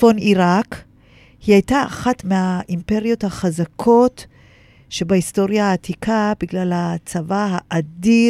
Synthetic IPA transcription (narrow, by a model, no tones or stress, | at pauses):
foniʁak | hiajtaa̰χatmehaʔimpe̞ʁjo̞thaχazakʰo̞t | ʃe̞baisto̞ʁjaːtikʰabiɡlalhat͡savahaʔadi